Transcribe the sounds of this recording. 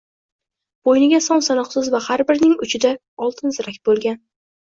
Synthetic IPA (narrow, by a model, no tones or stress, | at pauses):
b̥ojnɪɡʲasɒnsanɒqsɪzvahaɾbɪɾnɪŋʊt͡ʃʰɪd̪a | ɒlˠt̪ʰɪnzɪɾakʲbolˠɡʲan